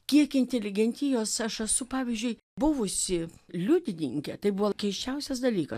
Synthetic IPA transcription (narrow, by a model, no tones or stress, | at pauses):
kʲiɛkɪnʲt̪ʲɛlʲɪɡʲɛnʲt̪ʲɪjoːsɐʃɛsʊpɑːʋʲizʲd͡ʒʲʊɪ | bʊʋʊsʲɪlʲud̪ʲɪnʲɪŋʲkʲɛt̪ɐɪbuʋokʲɛɪʃʲt͡ʃʲɛʊsʲɛs̬d̪ɐlʲiːkɐ